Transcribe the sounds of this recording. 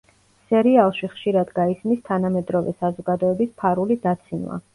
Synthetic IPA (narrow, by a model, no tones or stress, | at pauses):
sɛɾialˠʃiχʃiɾad̪ɡaismist̪ʰanamɛd̪ɾɔvɛ̰sazɔɡad̪ɔɛbispʰaɾulid̪at̪sʰinva̰